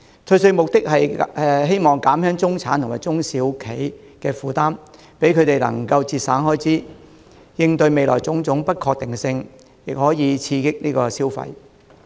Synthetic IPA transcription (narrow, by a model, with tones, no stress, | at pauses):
t͡sʰɵ˧sɵ˧ɥmʊ˨k̚t̪ɪ˥k̚hɐ˨jɛ˨˧ɦe˥jmɔː˨˩ŋkaː˨˥mhœː˥ŋt͡sʊ˥ŋt͡sʰaː˨˥nt̪ʊ˨ŋmaː˨jt͡sʊ˥ŋsiː˨˥wkʰe˨˥j | kɛː˧fuː˨˩t̪aː˥m | pe˨˥jkʰɵ˨˧ɥt̪e˨jlɐ̰˨˩ŋkɐ˧wt͡siː˧t̚saː˨˥nhɔː˥jt͡siː˨˥ | jɪ˧ŋt̪ɵ˧ɥme˨jlɔ̰ː˨˩jt͡sʊ˨˥ŋt͡sʊ˨˥ŋpɐ˥t̚kʰɔː˧k̚t̪ɪ˨ŋsɪ˧ŋ | jɪ˨k̚hɔː˨˥jiː˨˧t͡sʰiː˧kɪ˥k̚niː˥kɔː˧siː˥wfɐ̰˧j